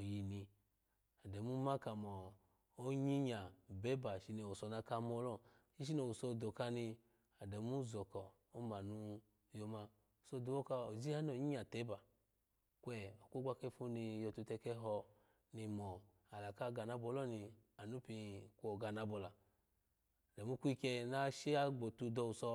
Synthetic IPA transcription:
o˨ji˧ni˧ | a˨dɛ˨mu˦ma˦ka˨mɔ˨ | o˦ɲi˦ɲa˨bɛ˨˦ba˨ʃi˧ni˧˨o˨sɔ˧na˧ka˧mɔ˧˦lɔ˦˨ | ʃi˦ʃ̬i˦no˧˨wu˨so˧˨do˨ka˧ni˧ | a˨dɛ˨mu˦zɔ˨kɔ˨ | o˦ma˨nu˧ | jo˧ma˧˨ | so˧du˨wo˦ka˧o˨zi˦ha˦n˦˨o˨ɲi˦a˨te˨˦ba˨ | kʷɛ˨ɔ˨kʷo˦ɡʷa˦kɛ˧˦fu˧ni˧jɔ˧tu˧tɛ˧kɛ˧˦ɦɔ˧ | ni˧mɔ˨ | a˨la˨ka˦ɡa˨na˧˦bɔ˧˦lɔ˦˨ni˧a˨nu˦pi˧˨kʷo˨ɡa˨na˨˧bɔ˨la˨ | dɛ˨mu˦ku˦i˧kɛ˧na˦ʃi˦a˦ɡ͡bo˨tu˧dɔ˧u˨sɔ˧

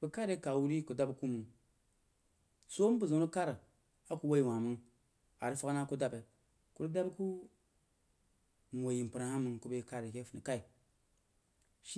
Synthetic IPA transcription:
bu˨ka˦ɾe˦ka˨wu˦ɾi˦ku˨da˦bku˦mu˨ŋ | so˦m˦bu˨zu˨˦u˦ka˦ɾa˨ | a˦ku˨wa˦i˨wã˨mɨ˦ŋ | a˨ɾi˦fa˦ɡna˦ku˦da˦be˨ | ku˦ɾu˦da˦bku˦ | m˨o˨ji˨m˨pɨ˨ɾa˨ha˦mɨ˨ŋku˦be˦ka˦ɾe˨ke˦fu˨ni˨ka˦i˨ | ʃi˦

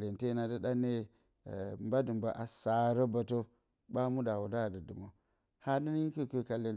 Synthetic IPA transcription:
e˨nte˦na˨də˦ɗa˦ne˦˨ | mba˦də˨mba˨ʔa˨sa˨ɾə˦ba˨to˦ | ba˦mu˦da˨wu˨da˦˨də˨du˨mo˨ | ha˦də˦ni˦kə˦kə˦˨ka˨le˨n

